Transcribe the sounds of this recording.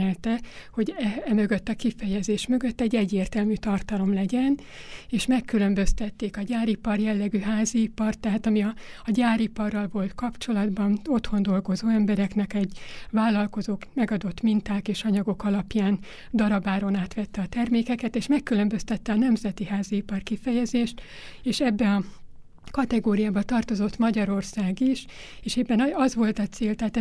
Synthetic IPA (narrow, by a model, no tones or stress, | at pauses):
ɛlt̪ɛho̞ɟɛɛmø̞ɡø̞t̪ːɒkifɛjɛzeːʃmø̞ɡø̞t̪ːɛɟːɛɟːeːrt̪ɛlmyːt̪ɒrt̪ɒlo̞mlɛɟɛn | eːʃmɛkːylø̞mbø̞st̪ɛt̪ːeːkɒɟaːɾipɒrjɛlːɛɡyːɦaːziːpɒrt̪ːɛɦaːt̪ɒmiɒːɟaːɾipɒrːɒlvo̞lt̪kɒpt͡ʃo̞lɒd̪bɒno̞t̪ho̞nd̪o̞lɡo̞zoːɛmbɛɾɛknɛkɛɟvaːlːɒlko̞zoːkmɛɡɒd̪o̞t̪mint̪aːkeːʃɒɲɒɡo̞kɒlɒpjaːn | d̪ɒɾɒbaːɾo̞naːt̪ʋɛt̪ːɛɒt̪ɛrmeːkɛkɛt̪eːʃmɛkːylø̞mbø̞st̪ɛt̪ːɛɒnɛmzɛt̪iɦaːziipɒrkifɛjɛzeːʃt̪eːʃɛbːɛɒ | kɒt̪ɛɡoːɾijaːbɒt̪ɒrt̪o̞zo̞t̪mɒɟɒɾo̞rsaːɡiʃ | eːʃɛbːɛnɒzʋo̞lt̪ɒt̪seːlt̪ɛɦat̪ɛ